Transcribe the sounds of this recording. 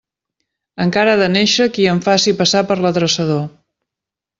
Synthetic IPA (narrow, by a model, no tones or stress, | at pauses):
əŋkaɾaðəneʃəkiəɱfasipəsapəɾlət̪ɾəsəð̞o